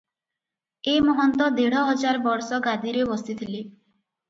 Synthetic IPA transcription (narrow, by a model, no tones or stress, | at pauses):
emɔɦɔnt̪ɔd̪eɽ̤ɔɦɔd͡ʒaɾbɔɾsɔɡad̪iɾebɔsit̪ʰili